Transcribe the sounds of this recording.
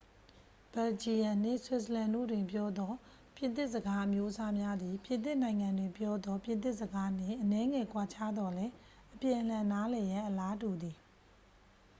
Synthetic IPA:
b̥ɛ˨ld͡ʑi˨jã˨n̥ɪ̰̃˦˨swɪ˦˨sə˨lã˨ndo̰˦˨dwɪ̃˨mpjɔ˦d̪ɔ˦ | pjɪ̃˨t̪ɪ˦ʔsəɡa˦ʔəmjo˦ʔəsa˦mja˦d̪i˨pjɪ̃˨nt̪̬ɪ˦ʔnã˨ɪ̃ŋã˨ndwɪ̃˨mpjɔ˦d̪ɔ˦pjɪ̃˨nt̪ɪ˦ʔsəɡa˦n̥ɪ̰̃˦˨ʔənɛ˦ŋɛ˨kwa˨t͡ɕʰa˦d̪ɔ˨lɛ˦ | ʔəpjɪ̃˨ʔəl̥ã˨na˦lɛ˨jã˦ʔəla˦du˨d̪i˨

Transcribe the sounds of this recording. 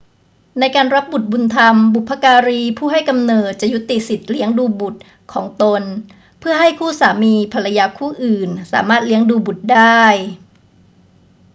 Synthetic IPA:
na˧jkaː˧nɾa˦˥p̚bu˨˩t̪̚bu˧nt̪ʰa˧mbu˨˩pʰːa˧˥kaː˧ɾiː˧pʰuː˥˩ɦa˥˩jka˧mnɤː˨˩t̪̚t͡ɕa˨˩ju˦˥t̪ːi˨˩si˨˩t̪̚li˦˥əŋduː˧bu˨˩t̪̚ | kʰɔː˩˦ŋt̪o˧n | pʰɯ˥˩ɐɦa˥˩jkʰuː˥˩saː˩˦miː˧pʰa˧la˧jaː˧kʰuː˥˩ʔɯː˨˩nsa̰ː˩˦maː˥˩t̪̚li˦˥əŋduː˧bu˨˩t̪̚daː˥˩j

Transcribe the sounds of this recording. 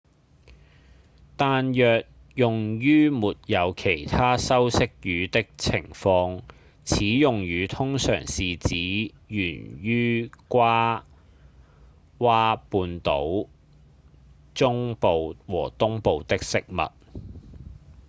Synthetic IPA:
t̪aː˨njœː˨k̚ | jʊ˨ŋjyː˥muː˨t̚jɐ˨˧wkʰe˨˩jt̪ʰaː˥sɐ˥wsɪ˥k̚jyː˨˧t̪ɪ˥k̚t͡sʰɪ˨˩ŋfɔː˧ŋ | t͡sʰiː˨˥jʊ˨ŋjyː˨˧t̪ʰʊ˥ŋsœ̰ː˨˩ŋsiː˨t͡siː˨˥ | jyː˨˩nɥyː˥kʷaː˥ | waː˥puː˧nt̪o̰˨˥w | t͡sʊ˥ŋpo˨wwɔː˨˩t̪ʊ˥ŋpo˨˧wt̪ɪ˥k̚sɪ˥k̚mɐ̰˨t̚

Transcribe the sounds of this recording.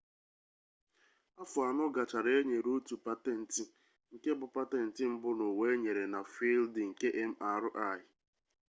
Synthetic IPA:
a˦fʊ˨a˨nʊ˦ɡa˨t͡ʃa˨ɾe˦ɲe˨ɾo˦tu˨pa˦te˨n̩˨tɪ˨ | ŋ̩˨ke˦bʊ˨pa˦te˨n̩˨tɪ˨˦m̩˦bʊ˦no˨we˦ɲe˨ɾe˨na˨fi˦ldɪ˨ŋ̩˨ke˦ʔe˦m̩˦a˨ɾʊ˦ʔa˦˨ɪ˨

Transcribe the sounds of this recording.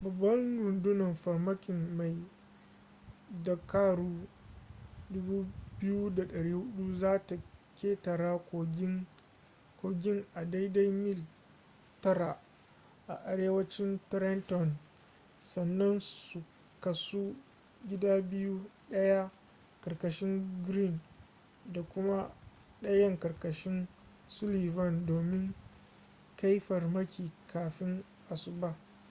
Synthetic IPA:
bɐ˨bːɐ˦nɾʊ˨ndʊ˦nɐ˨mɸɐ˨ɾmɐ˦kʲɪ˨nma˨j | dɐ˨kaː˦ɾuː˦ | dʊ˦buː˦bɪ˦ju˦da˨ɗɐ˨ɽiː˦hʊ˦ɗu˦zaː˦ta˨kʲeː˦tɐ˨ɾaː˦k | koː˨ɡʲɪ˦ŋʔa˨da˦jda˦jmɪ˦l | tɐ˦ɾa˨ | ʔa̰˨ʔa˨ɽeː˦wɐ˦t͡ʃɪ˦ntɾɛ˦ntɔ˨n | sɐ˨nːɐ˦nsu˨ | kɐ˨su˦ | ɡʲɪ˦daː˦bɪ˦ju˦ɗɐ˦ja˦ | kɐ˨rkɐ˨ʃɪ˦ŋɡɾi˦˨n | da˨kʷʊ˦ma˦ | ɗɐ˦jɐ˦ŋkɐ˨rkɐ˨ʃɪ˦n | sʊ˦liː˨vɐ˦˨ndoː˨mɪ˦ŋ | ka˦jɸɐ˨rmɐ˦kʲiː˨kʰaː˨ɸɪ˦ŋ | ʔa˨sʊ˦ba˦

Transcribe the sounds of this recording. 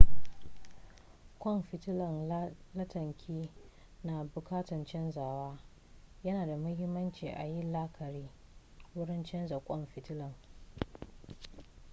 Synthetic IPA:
kʷɔ˦mɸɪ˨tɪ˦lɐ˨ŋlɐ˦tɐ˨ŋkʲʰiː˦ | na˨bʊ˨kaː˦tɐ˨nt͡ʃɛ˦nzaː˨waː˦ | jɐ˦naː˨da˨mʊ˦hɪ˦mːɐ˦nt͡ʃiː˨ʔa̰˨ji˦la˦kʰɐ˨ɽiː˦ | wʊ˦ɽɪ˦nt͡ʃɛ˦nza˨kʷʼɔ˦mɸɪ˨tɪ˦lɐ˨ŋ

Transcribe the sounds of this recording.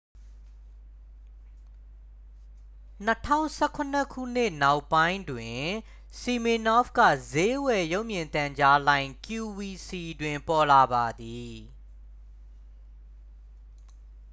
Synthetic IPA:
n̥ə˦tʰã̰˦˨ʊ̃sɛ˦˨kʰʊ˨n̥ə˦kʰṵ˦˨n̥ɪ˦˨na˦ʊʔpːã˦ɪ̃ndwɪ̃˨ | si˨mi˨nɔ˦fkä̰˦˨ze˦wɛ˨jo˦ʊʔmjɪ̃˨nt̪ã˨ɲd͡ʑa˦lã˦˨ɪ̃ŋkju˨wi˨si˨dwɪ̃˨mpɔ˨la˨ba˨d̪i˨

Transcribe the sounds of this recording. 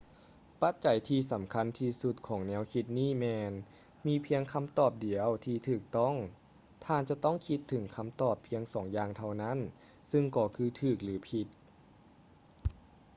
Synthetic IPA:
pa˧˥t̪̚t͡ɕa˨˩˦jt̪ʰiː˧sa˩˦mkʰa˧˥nt̪ʰiː˧su˧˦t̪̚kʰɔː˩˦ŋnɛː˧˥wkʰi˧t̪̚niː˥˩mɛː˧n | miː˧pʰi˧əŋkʰa˧˥˨mt̪ɔː˨˩p̚di˨˩˦əwt̪ʰiː˧t̪ʰɯː˨˩k̚t̪ɔ˥˩˨ŋ | t̪ʰaː˧˩nt͡ɕa˧˦t̪ɔ˥˩ŋkʰi˧˦˥t̪ʰːɯ˩˦ŋkʰa˧˥mt̪ɔː˨˩pʰːi˧əŋsɔː˩˦ŋjaː˧ŋt̪ʰa˧wna˧˥˨n | sɯ˧ŋkɔː˧˩kʰɯː˧t̪ʰɯː˨˩k̚lɯː˩˦pʰi˧t̪̚

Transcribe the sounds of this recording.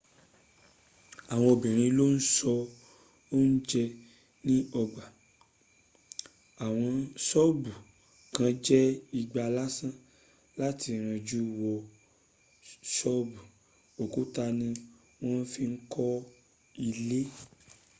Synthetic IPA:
a˨w̃ɔ̃˧o˨bĩ˨ɾ̃ĩ˧lo˦n̩˦sɔ˧ | o˦n̩˦d͡ʒɛ˧ | nĩ˦ɔ˧ɡ͡ba˨ | a˨w̃ɔ̃˧sɔ˦bu˨ | kã˨˦d͡ʒɛ˦i˧ɡ͡ba˧la˦sã˦ | la˦ti˧ɾ̃ã˧d͡ʒu˦wɔ˧ | sɔ˦bu˨ | o˨ku˨˦ta˧nĩ˧ | w̃ɔ̃˦n̩˦fi˦ŋ̩˦kʰɔ˦ | i˧le˦

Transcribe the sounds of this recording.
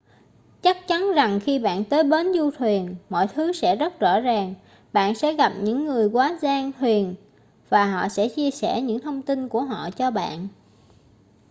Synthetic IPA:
t͡ɕa˦˥k̚t͡ɕa˨˦nza˨˩ŋxi˧ɓa̰ː˧˨nt̪əː˨˦jɓe˨˦nzu˧t̪ʰwi˨˩ənmɔ̰˧˨jt̪ʰɨ˨˦sɛ̰˧˥zə˦˥t̚zɔ̰˧˥zaː˨˩ŋ | ɓa̰ː˧˨nsɛ̰˧˥ɣa˨˩p̚ɲɨ̰˧˥ŋːɨ˨˩əjkwaː˨˦zaː˧ŋt̪ʰwi˨˩ən | vaː˨˩ɦɔ̰˧˨sɛ̰˧˥t͡ɕi˧əsɛ̰˧˩ɲɨ̰˧˥ŋt̪ʰə˧wŋ͡mt̪i˧nku˧˩əɦɔ̰˧˨t͡ɕɔ˧ɓa̰ː˧˨n

